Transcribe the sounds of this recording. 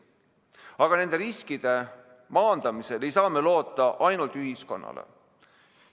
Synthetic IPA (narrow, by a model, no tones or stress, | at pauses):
ɑɡ̥ɑne̞nd̪e̞ɾiskid̪̥e̞ | mɑːnd̪̥ɑmise̞le̞jsɑːme̞lo̞ːt̪ːˑɑʔɑjnult̪yɦisko̞̰nːɑ̰lḛ